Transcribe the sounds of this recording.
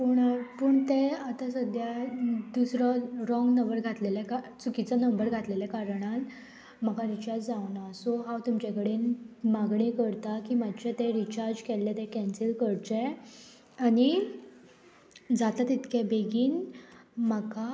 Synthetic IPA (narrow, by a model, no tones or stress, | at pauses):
puɳapəɳt̪eat̪asəd̪ʱjad̪usɾɔɾɔ̃ŋɡnəʋəɾɡʱat̪leljakat͡sukit͡sanəmbəɾɡʱat̪leljakaɾəɳ̃at̪ | m̤əkaɾit͡ɕaɾd͡ʑd͡zaʋnasɔɦãwt̪umt͡ɕakəɽenmaɡɳekəɾt̪akiːmad̪t͡ɕat̪eɾit͡ɕaɾd͡ʑkɛlːɛt̪ɛ̃kɛ̃nsilkəɽt͡ɕe | ani | d͡zat̪at̪it̪kʰɛ̃beɡiːnməka